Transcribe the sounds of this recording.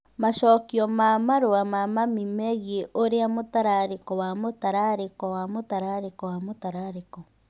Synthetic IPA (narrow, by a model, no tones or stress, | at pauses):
maʃɔːkiɔmamaɾoamamamimeɣeʔoɾeamotaɾaɾekɔwamotaɾaɾekɔwamotaɾaɾekɔwamotaɾaɾekɔ